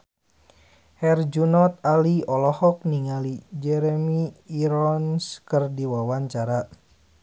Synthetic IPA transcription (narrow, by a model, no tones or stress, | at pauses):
hɛrd͡ʒunɔt̪̚aliɔlɔhɔk̚niŋalid͡ʒɛɾɛmiːɾɔnskərdiwawaɲt͡ʃaɾa